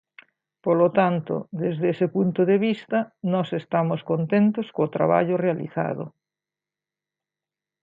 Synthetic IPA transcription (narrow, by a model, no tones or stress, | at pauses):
polot̪ant̪o̰ðezðesepunt̪oðeβist̪ɐnɔsest̪amoskont̪ent̪oskoːt̪ɾa̰βa̰ʎorealḭθa̰ðo̰